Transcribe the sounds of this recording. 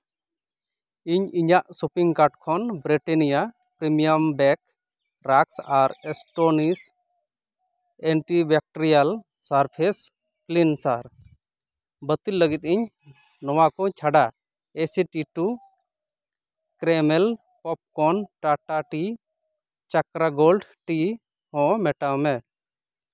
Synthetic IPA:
iɲiɲaʔsupiŋkaʈ̚kʰɔnbɾiʈenija | pɾimijəmbɛk | ɾaksaɾɛsʈonis | ɛɳʈibɛk̚ʈɔɾijal | saɾpʰes | plinsaɾ | bət̪ilːəɡit̪iɲ | nɔwakɔt͡ʃʰaɖa | esiʈiʈu | kɾemɛl | pɔp̚kɔnʈaʈaʈi | t͡ʃakɾaɡolɖʈi | hɔ̃mɛʈamɛ

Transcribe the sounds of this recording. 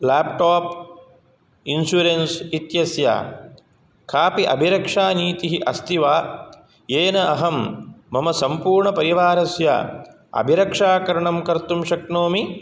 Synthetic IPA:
laːpʈaːp | insjuɾensit̪jɐsja̰ː | kʰaːpiʔɐ̰bʱiɾɐkʂaːniːt̪iɦiʔɐst̪iʋaː | jeːnɐʔɐɦɐmːɐmɐsɐmpuːɾɳɐpɐɾiʋaːɾɐsja̰ | ɐ̰bʱiɾɐkʂaːkɐɾɐɳɐmkɐɾt̪umʃɐknoːmi

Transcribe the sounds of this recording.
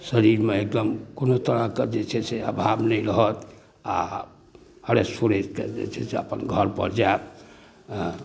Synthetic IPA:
səɾiɾmeek̚d̪əmkonot̪əɾaked͡ʒet͡ʃʰɛseəbʱabnɛjɾəɦət̪ | a̰ | həɾesuɾed͡ʒked͡ʒḛt͡ʃʰɛseə̰pənɡʱəɾpə̰ɾd͡ʒaet̪

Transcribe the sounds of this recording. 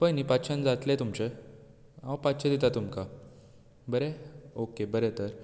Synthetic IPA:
pəjnipatɕʰənd͡zat̪let̪umt͡ɕe | awpat̪t͡ɕʰəd̪et̪at̪umka | bəɾeokebəɾet̪əɾ

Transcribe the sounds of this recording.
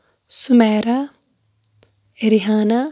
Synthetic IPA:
sumɛːɾa | ɾiɦaːna

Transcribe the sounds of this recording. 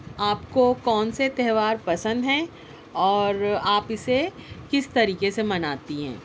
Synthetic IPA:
aːpkokɔːnset̪ɛɦʋaːɾpɐsə̃nd̪ɦɛ̃ | ɔːɾaːpɪsekɪst̪ɐɾiːkesemɐnaːt̪iɦɛ̰̃ː

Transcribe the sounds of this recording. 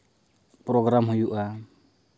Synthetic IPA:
pɾɔɡɾamɦujuʔa

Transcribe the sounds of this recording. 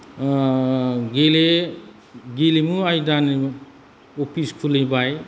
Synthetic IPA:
ɡele | ɡelemuajdani | opʰispʰulebaj

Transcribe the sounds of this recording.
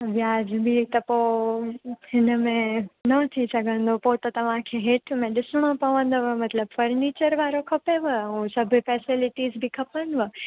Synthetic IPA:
ʋjaːd͡ʒbʱit̪ɐpo | ɪnəmẽnət̪ʰisɐɡə̃nd̪opot̪ot̪ɐʋãkʰeɦeʈʰmẽɗɪsɳ̃õpɐʋə̃nd̪oʋəmɐt̪ləbfəɾnit͡ʃəɾʋaːɾokʰɐpeʋəɦũsəbʱfɛsɪlɪʈizbʱikʰɐpənd̪ʋə

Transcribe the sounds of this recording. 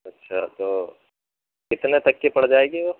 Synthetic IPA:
ɐtːʃʰa̰t̪oː | kɪt̪net̪ɐkːepɐɽd͡ʒaːeːɡeʋoː

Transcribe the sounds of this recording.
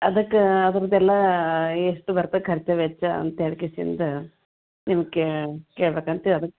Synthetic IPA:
ɐd̪ɐkːeɐd̪ɐɾɐd̪ɛlːɐeʂʈubɐɾt̪ɐkʰɐɾt͡ʃɐʋɛt͡ʃːɐɐ̰nt̪eɽkisḭnd̪ɐ | nimɐɡkːekeːɭɐbeːkɐnt̪eɐd̪ɐkː

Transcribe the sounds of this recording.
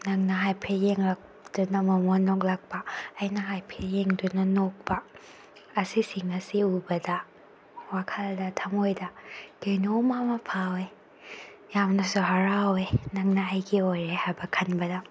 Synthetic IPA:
nɐŋnaɦajpʰejeŋlak̚ | dunɐmɐmonːɔk̚lak̚baːjnɐɦajpʰejeŋdunanok̚baː | sisiŋɐsiubɐda | wakʰaldɐtʰamojdad̥ɯjnomamapʰawe | jamnɐsuɦaɾawenɐŋnaɐjɡiojɾehajbɐkʰɐnbɐda

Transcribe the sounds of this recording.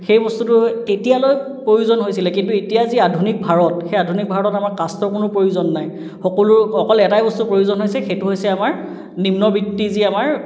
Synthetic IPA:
xejbɔstutʊetijaloj | pɹojuzɔnɦojsilɛkintuetijaziadʱunik̚bʱaɹɔtxejadʱunik̚bʱaɹɔɔtamaɹkastɔkʊnʊpɹojuzɔnːaj | xɔkɔlʊxɔkɔlɛtajbɔstupɹojuzɔnɦojsɛxejtʊɦojsɛamaɹ | nimnɔbitːiziamaɹ

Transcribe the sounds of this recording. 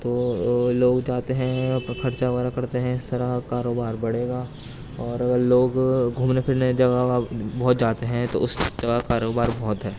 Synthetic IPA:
t̪oːloːɡd͡ʒaːt̪eɦɛ̃kʰɐɾt͡ʃaʋaːɾakɐɾt̪eɦɛ̃ɪst̪ɐɾaɦkaːɾoːbaːɾbɐɽeːɡaː | ɔːɾɐɡəɾloːɡɡʱuːmnekʰɪɾned͡ʒɐɡaabɔːt̪̚d͡ʒaːt̪eɦɛ̃t̪o̰ʊsd͡ʒɐɡakaːɾoːbaːɾbɔːt̪ɦɛː

